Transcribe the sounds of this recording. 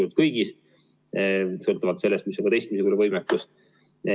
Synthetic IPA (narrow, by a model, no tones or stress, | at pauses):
ut̪̚kɤjɡ̥is | solt̪ˑuvɑt̪se̞lːest̪misˑɑɡɑt̪e̞jst̪miseuoluvɤjmekːus